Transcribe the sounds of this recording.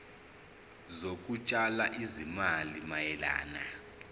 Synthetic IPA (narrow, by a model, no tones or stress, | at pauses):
zok̬ʼut͡ʃʼalaʔizimalimajɛla̰ːna̰